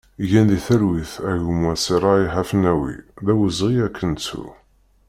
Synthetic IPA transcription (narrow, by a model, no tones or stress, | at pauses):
ʝænðiθəɾwiθæʝumwæsiɾˤɑiħafnæwḭðæwəzʁiækʰːənt͡sːṵ